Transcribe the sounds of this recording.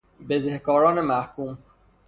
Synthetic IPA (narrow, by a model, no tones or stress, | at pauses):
bezehkɔːɾɔːnemæhkuːm